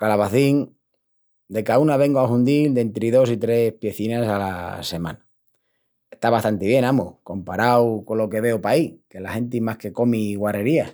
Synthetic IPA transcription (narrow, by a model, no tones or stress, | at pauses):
kalaβaθiŋ | d̪e̞kaunaβe̞ŋɡoaɦund̪ild̪e̞nt̪ɾiðo̞sit̪ɾe̞spje̞θinasala̰se̞mã̰na | e̞st̪aβast̪ant̪eβje̞namuko̞mpaɾawko̞lo̞ke̞βe̞opaike̞lahe̞nt̪̬imahke̞ko̞miɣwareɾia